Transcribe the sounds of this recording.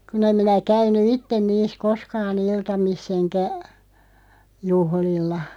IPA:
kun em minæ kæyny itːen niːs koskɑːn iltɑmisː enkæ juhlilːɑ

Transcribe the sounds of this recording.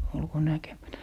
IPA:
olko nækemætæ

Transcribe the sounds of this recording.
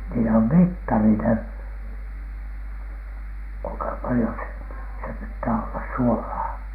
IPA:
niːlː om mitːɑri ne kuiŋkɑ pɑlĭjo se se pitːæː olːɑs suolɑː

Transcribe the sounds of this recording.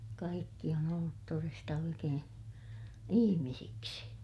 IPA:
kɑikːi on olːut torestɑ oikeː ihimisiksi

